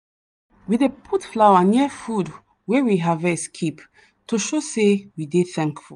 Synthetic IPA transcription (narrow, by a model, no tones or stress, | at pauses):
wiðepʰutflawãniəfud | wɛwiɦavɛskʰip | tuoʃosewideθɛ̃ŋkfṵl